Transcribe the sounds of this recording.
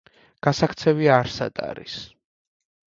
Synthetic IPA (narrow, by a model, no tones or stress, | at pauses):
ɡ̥asakʰt̪sʰɛviaɾsa̰d̪̥ʼa̰ɾḭs